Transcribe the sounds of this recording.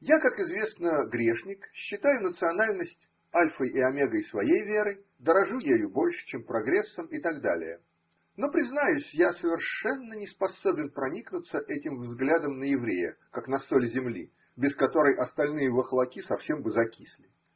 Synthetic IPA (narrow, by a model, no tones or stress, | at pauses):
jakakɪzvʲe̞snəɡɾʲe̞ʂnʲɪkɕːɪt̪ajʊnət̪sɨɐnalʲnəsʲtʲ | alʲfəjʔɪɐmʲeɡəjsvɐjejvʲe̞ɾəj | d̪əɾɐʐujejʊbo̞lʲʂɨ̥t͡ɕempɾɐɡɾʲe̞sːəmɪt̪aɡd̪a̰lʲɪ̰jə | no̞pɾʲɪznajʊsʲjasəvʲɪrʂɛnːənʲɪspɐso̞bʲɪnpɾɐnʲiknʊt̪səʔɛtʲɪmvzɡlʲad̪əmnəjɪvɾʲejə̰kaknɐsolʲzʲɪmlʲḭ | bʲɪskɐt̪o̞ɾəjʔɐst̪ɐlʲnɨjəvəxlˠɐkʲisɐfsʲe̞mbɨzɐkʲisʲlʲɪ